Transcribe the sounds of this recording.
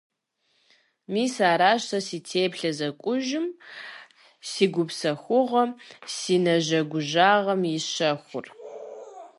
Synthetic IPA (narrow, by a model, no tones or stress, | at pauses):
miːsaːɾaːɕɐsiːtʰeːpɬɐzɐkʷʼʊʒɪm | siːɡʷʊpsɐxʷʊʁɐsiːnɐʒɐɡʷʊʒaːʁɐmjɪɕɐxʷʊ̰r